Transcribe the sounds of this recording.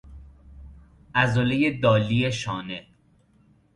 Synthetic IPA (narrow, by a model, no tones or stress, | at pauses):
ʔæzolejed̪ɒːlieʃɒːne